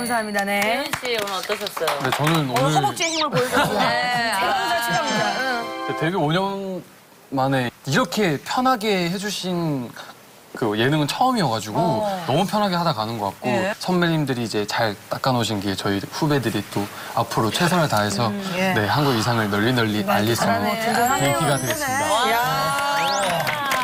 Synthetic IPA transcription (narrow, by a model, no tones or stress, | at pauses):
kamsʰaamɲidaneonɯʌt͈ʌɕʰʌs͈ʌone̞t͡ɕʌnɯnonɯut͡ɕ͈eɡimɯɭpos͈ | a | ete̞ɡioɲʌn | mane̞iɾʌkʰe̞pʰjʌnɦaɡe̞he̞d͡ʑuɕʰin | kɯje̞nɯŋɯnt͡ɕʰʌɯmiʌɡad͡ʑuɡonʌmupʰjʌnɦaɡe̞hadaɡanɯnɡʌk͈ak̚k͈osʰʌnmeɲimdɯɾiːd͡ʑe̞t͡ɕaɭt͈ak͈anoɕ̬ʰinɡet͡ɕʌiɸube̞dɯɾit͈o | apʰɯɾot͡ɕʰe̞sʰaŋɯɭtaɦe̞sʰʌne̞hanɡuɡisʰaŋɯɭnʌʎːinʌʎːiaʎːis͈ɯmokɯk͈iɡadweis͈ɯmida